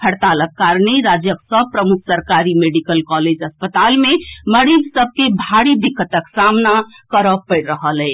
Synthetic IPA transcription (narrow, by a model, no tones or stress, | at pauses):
pʰəɽt̪aləkːaɾneɾad͡ʒjəksəbpɾəmukʰsəɾkaɾimeɖikəlkɔled͡ʒəspət̪almeməɾid͡ʒsəb̚ʱkebʱaɽid̪ikʰːət̪əksamna | kəɾəpəɪɾːəɦəlɛɪ